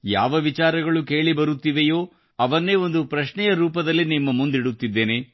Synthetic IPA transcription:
ja̰ːʋɐʋit͡ʃaːɾɐɡɐɭukeːɭibɐɾut̪ːiʋejoː | ɐʋɐnːe̞ːo̞nd̪upɾɐʃɳɛjɐɾuːpɐd̪ɐlːinimːɐmund̪iɽut̪ːid̪ːe̞ːne̞

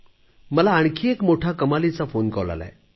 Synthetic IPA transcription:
məlaːɳ̃kʰiekmoʈʰakəmalit͡safonkə̰ʋla̰la̰e

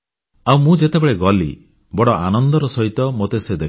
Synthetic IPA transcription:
awmũd͡ʒet̪ebeɭeɡɔlḭ | bɔɽɔʔanɔnd̪ɔɾɔsɔɦit̪ɔmot̪esed̪e

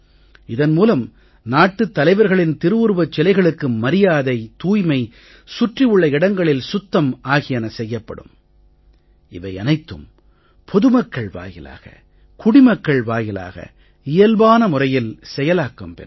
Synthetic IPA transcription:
ɪðɐnmuːlɐm | naːʈːɯt̪ːɐlɐɪʋɐɾɣɐɭɪnt̪ɪɾɯɯɾʋɐt͡ʃːɛlɐɪɣɐɭɯkːɯmɐɾɪjaːðɐɪt̪uːjmɐɪ | sʊʈrɪjɯɭːɐɪɽɐŋɡɐɭɪlsʊt̪ːɐmaːɣɪjɐnɐsɛjːɐpːɐɽɯ̰m | ɪʋɐɪɐnɐɪt̪ːɯ̰m | pʰɔðɯmɐkːɐɭʋa̰ːjɪ̰la̰ːɣɐ̰ | kʊɽɪmɐkːɐɭʋaːjɪla̰ːɣɐ̰ | ɪjɐlbaːnɐmʊrɐjɪlsɛjɐlaːkːɐmpɛ̰

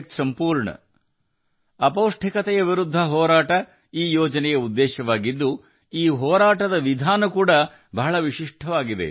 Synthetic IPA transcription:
k̪sɐmpuːɾɳɐ̰ | ɐpoːʂʈʰikɐt̪ɛjɐʋiɾud̪ʱːɐɦɔːɾaːʈɐ | iːjɔːd͡ʒɐnɛjɐud̪ːɛːʃɐʋaːɡid̪ːu | iːɦɔːɾaːʈɐd̪ɐʋid̪ʱaːnɐkuːɽɐ | bʱɐɦɐɭɐʋiʃiʂʈʰɐʋaːɡid̪e̞̰

